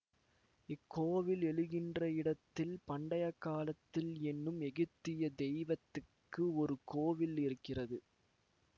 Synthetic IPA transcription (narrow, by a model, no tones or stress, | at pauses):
ɪkːoːʋɪlɛɭɯɣɪndrɐɪɽɐt̪ːɪlpɐɳɖɐjɐkːaːlɐt̪ːɪlɛnːɯmɛɣɯt̪ːɪjɐd̪ɛɪʋɐt̪ːɯkːɯɔɾɯkoːʋɪlɪɾɯkːɪrɐðɯ